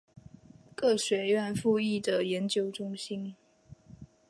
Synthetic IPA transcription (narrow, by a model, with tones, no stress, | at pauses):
kɤ˥˩ɕɥɛ˧˥ɥɛ˥˧nfu˥˧i˥˩d̪ə˩jɛ˧˥nt͡ɕjo˥ʊʈ͡ʂʊ˥ŋɕi˥n